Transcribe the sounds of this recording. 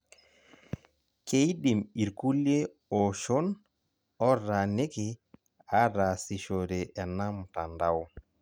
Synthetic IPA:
kejɗimiɾkuljɛ | ɔʃɔn | ɔɾanekɛ | aɾasiʃɔɾɛʔɛnamtandaw

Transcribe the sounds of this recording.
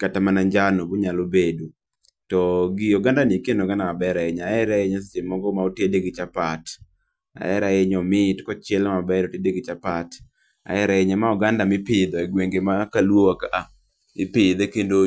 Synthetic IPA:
katamanaɲd͡ʒanoboɲalobedo | tɔɡɪɔɡandanikenoɡanabɛɾaɪɲaɛɾaɪɲas̬esemɔɡɔmaotedeɡɪt͡ʃapat | a̰ɛɾaeɲɔmɪtkɔt͡ʃɛlmabɛɾotedeɡɪt͡ʃapat | a̰ɛɾaɪɲamaɔɡandamɪpɪd̪ɔɛɡweŋɡemakalwowakaʔa | ɪpɪd̪ekendo

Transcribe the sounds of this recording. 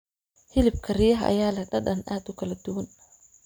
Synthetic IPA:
hɪlɪb̚kʰɐrijɐɦɐ̰ʔɐ̰jaːlɐɖɐɗɐnʔaːd̪ʊkʰɐlɐd̪ʊwɐn

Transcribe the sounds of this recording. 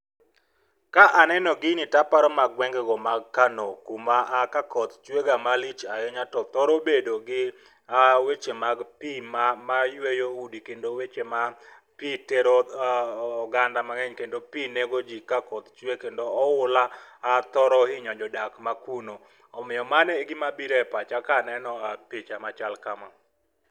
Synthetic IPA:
kaʔanɛnɔɡɪnɪtapaɾɔmaɡwɛŋɡɛɡɔmaɡkanokumaʔːkakɔt̪t͡ʃweɡamalit͡ʃajɛɲatɔt̪ɔɾobedoɡɪ | awet͡ʃemaɡpimamajwejoudikendowet͡ʃema | piteɾoaːɡandamaŋɛɲkendopineɡod͡ʒikakɔt̪t͡ʃwekendoːʊlaːt̪ɔɾɔhɪɲɔd͡ʒɔdakmakuno | ɔmɪɔmanɛɡɪmabiɾɛpat͡ʃakanɛnɔapit͡ʃamat͡ʃalkama

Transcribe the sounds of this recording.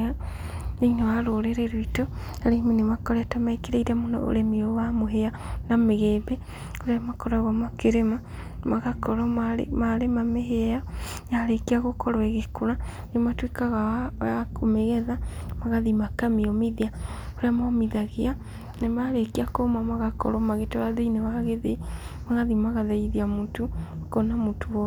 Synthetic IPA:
a | nenoaɾoːɾeɾeɾwitoaɾeminemakɔɾɛtamaekeɾeiɾamona̰ʔo̰ɾemiowamoɦeanameɣeːbe | oɾeamakɔɾaɣwamakeɾema | maɣakɔɾɔ̰maɾemameɦeaja | jaɾekiaɣokɔɾɔeɣekoɾa | nematwekaɣaakomeɣɛðamaɣaðimakamiɔmiðiaoɾeamamiðaɣea | nemaɾekiakomamaɣakɔ̰ɾɔmaɣeteβaðeineβaɣeðeimaɣaðimaɣaðaiðiamuːtukonamotʰowɔ

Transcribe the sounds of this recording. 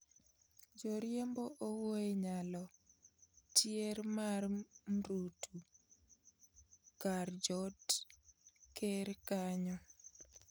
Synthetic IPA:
d͡ʒoɾjemboʔowoeɲalɔ | tjeɾmarmɾutʰu | kard͡ʒot | keɾkaɲɔ

